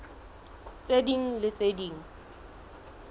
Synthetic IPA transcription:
t͡sʼediŋ̩lɪt͡sʼediːŋ̩

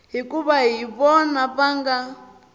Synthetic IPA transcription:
ɦikʼuβaɦiβɔnapaŋɡa

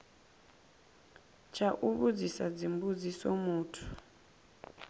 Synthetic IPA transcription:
t͡ʃʰaʔuβud͡zisad͡zimbud͡zisɔmuːtʰu̥

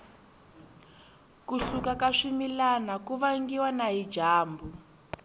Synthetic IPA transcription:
kuɬukakaʂimilanakuβaŋɡiwanaɦi̥d͡ʒʱaːmbu

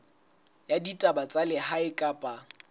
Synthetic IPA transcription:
jaditʼabat͡sʼalɪhaɪkʼapʼa

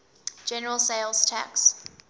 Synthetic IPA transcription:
d͡ʒɛnəɹəlˠseɪlˠz̥tʰæ̰ks

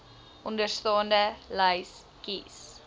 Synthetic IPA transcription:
ʔɔndərstɔːndəlajs | kiːs

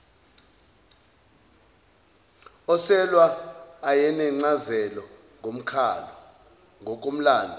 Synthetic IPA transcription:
ɔsɛlwaːjɛnɛŋ͡ǀazɛlɔ | ŋʱom̩kʰalɔ | ŋok̬ʼom̩laːndʱɔ

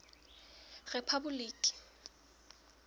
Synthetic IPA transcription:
rɛpʰabʊliːkʼi̥

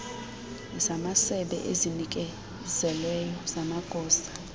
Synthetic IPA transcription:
zamasɛɓɛ̰ʔezinik̬ʼɛ | z̥ɛlɛjɔz̥amaɡ̥ʱɔːsḁ

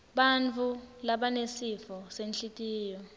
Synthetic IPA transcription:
ɓant͡fʰulaɓanesifɔsenɬitʼiːjɔ

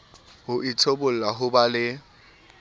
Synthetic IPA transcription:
hʊʔit͡sʰobʊl̩laɦʊbalɪ

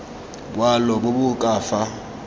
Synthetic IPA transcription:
bwalɔbʊbʊkʼaːfa

